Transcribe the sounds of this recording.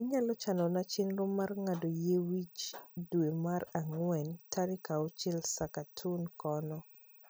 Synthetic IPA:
iɲalɔt͡ʃanɔnat͡ʃɪnɾomarŋadojewit͡ʃdwemaraŋwɛntaɾɪkaɔt͡ʃɪlsakatʰunkɔnɔ

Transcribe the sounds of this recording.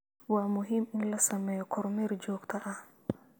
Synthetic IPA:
waːmʊɦimɪnlɐsɐmɛjɔkʰɔɾmɛɾd͡ʒɔːɡt̪ʰɐʔɐh

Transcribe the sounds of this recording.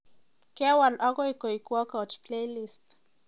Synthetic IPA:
kewalʔokoikoikwokaot͡ʃplelist̪

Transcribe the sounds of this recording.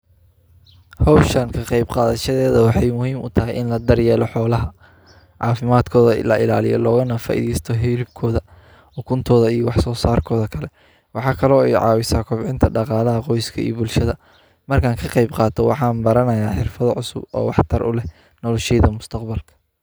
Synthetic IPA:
hɔwʃɐŋkʰɐqɑjbqɑːðɐʃɐðɛːðɐwɑħɑjmʊhiːmʊt̪ʰɐɦɛjʔɪnlɐd̪ɐrjɛːlɔħɔːlɐɦɐ | ʕɑːfɪmaːd̪kʰɔːðɐlɐʔɪ̰laːlɪjɔ̰lɔːɣɐnɐfaːʔḭðɛjst̪ʰɔɦɪlɪb̚kʰɔːðɐ | ʊkʰʊnt̪ʰɔːðɐijɔwɑħsɔːsaːrkʰɔːðɐkʰɐlɛ | wɑħɑːkʰɐlɔːɛjʕɑ̰ːwɪsaːkʰɔbʕɪnt̪ʰɐɖɑqɑːlɐɦɐqɔjskʰɐḭjbʊlʃɐðɐ | mɐrkʰaːŋkʰɐqɑjbqɑːt̪ʰɔwɑ̰ħɑːmbɐɾɐnɐjaːħɪrfɐðɐʕʊsʊ̰bɔ̰ːwɑħt̪ʰɐrʔʊ̰lɛ | nɔlɔʃɛjðɐmʊst̪ʰɐqbɐlkʰɐ̥

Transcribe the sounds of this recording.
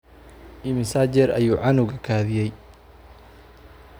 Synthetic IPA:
ʔimɪsaːd͡ʒɛɾɐ̰juːʕɑnʊwɣɐkʰaːðɪjɛj

